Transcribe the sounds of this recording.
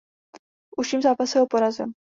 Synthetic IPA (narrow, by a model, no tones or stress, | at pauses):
ʔusiːmzaːpasɛɦopoɾazɛm